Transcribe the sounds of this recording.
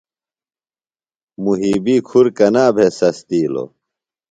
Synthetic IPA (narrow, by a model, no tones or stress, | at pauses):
muɦiːbiːkʰuɾkɐnaːbʱesɐst̪iːlo̰